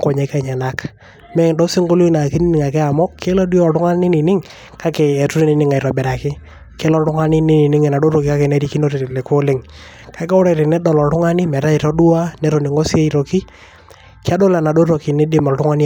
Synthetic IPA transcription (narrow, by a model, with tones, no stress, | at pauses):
ŋkɔ˨ɲe˨˦ka˦˨ɲɛ˨na˦k | mɛ˦do˦si˦ŋɡo˦lu˦na˨ki˦ni˦nɪ˨ŋa˨kɛ˦a˨mɔ˦kʰe˦la˦du˦ɔ˨tʊ˦ŋa˦n˦nɪ˦ni˨nɪ˦ŋ | ka˦keː˨tu˦ɾi˦nɪ˨˦nɪ˦ŋa˨i˨ɾɔ˨bɛ˨ɾa˨kɪ˦ | ke˦lɔ˦tʊ˦ŋa˦nɪ˦nɪ˦ni˨nɪ˦ŋɛ˨na˨do˦ɾo˨ki˦ka˦ke˨nɛ˦ɾi˦ki˦no˦ɾe˨ɾle˨ko˦lɪ˦ŋ | ka˨ɪ˦ka˦ʊ˦ɾa˨ɾɪ˨nɛ˦dɔ˨lɔ˨tʊ˦ŋa˦nɪ˦mɛ˨ɾa˦i˨ɾɔ˦du˦a˦nɛ˨ɾo˨ni˨ŋo˦si˦e˦i˨ɾo˨ki˦ | kɪ˦a˦do˦la˨na˨do˦ɾo˨ki˨nɛ˦dɪ˦mɔ˨ltʊ˦ŋa˦ni˦